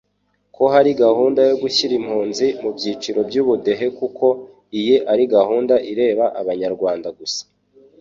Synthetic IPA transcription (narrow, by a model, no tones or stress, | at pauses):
ko̞ɦaɾiɡahuːndajo̞ɡuçiɾimhuːnzimubjiːt͡ʃiɾo̞bjuːβude̞ɦe̞kukʰo̞ | ijeʔaɾiɡahuːndaʔiɾe̞ːβaʔaβaɲaɾɡwaːndaɡusḁ